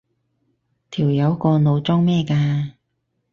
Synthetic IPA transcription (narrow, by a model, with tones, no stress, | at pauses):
t̪ʰiː˨˩wjɐ˨˧wkɔː˧no˨˧wt͡sɔː˥ŋmɛː˥kaː˧